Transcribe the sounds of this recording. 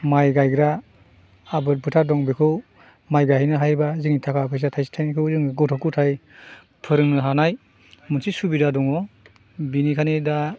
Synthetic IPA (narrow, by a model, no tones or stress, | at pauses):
majɡajɡɾaː | bɯt̚bɯtʰadɔŋbikʰɯw | majɡajhajnɯɦajbaziŋitʰakʰapʰajs̬atʰajsi̥tʰajnikʰɯwzɯŋɡɔtʰɔkːutʰaj | pʰɯɾɯŋnɯɦanaj | munsʰisubidadɔŋɔ | binikʰanida